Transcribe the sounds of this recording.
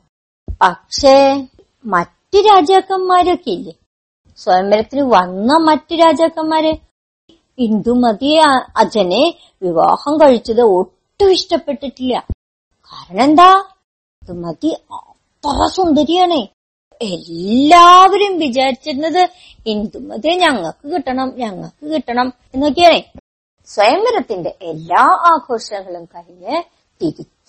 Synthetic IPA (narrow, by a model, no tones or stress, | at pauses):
pɐkʂe | mɐtːɨɾaːd͡ʑjaːɣɐmːaːɾokːeilːɐ | swɐjɐmbɐlɐt̪ːinɨʋɐnːɐmɐtːɨɾaːd͡ʑaːkːɐmːaːɾe | ind̪umɐðijeɐd͡ʑɐne | ʋiʋa̰ːhɐmkɐɻit͡ɕːɐðɨoʈːɨʋiʂʈɐpːe̞ʈːiʈːilːɐ | kaːɾɐɳɐ̃end̪aː | ind̪umɐði | t̪ɐrɐsund̪ɐɾijaːɳe | elːaːʋɐɾumʋit͡ɕaːɾit͡ɕːiɾunːɐðɨ | ind̪umɐðijeɲɐŋːɐɭkɨkiʈːɐɳɐmɲɐŋːɐ̰ɭkɨkiʈːɐɳɐm | e̞nːok̬ːejaːɳe | swɐjɐmːɐɾɐt̪ːinde̞ʔelːaːʔaːɡʰʱo̞ːʂnɐŋːɐɭumkɐɻiɲːɨ | ʈikʲːit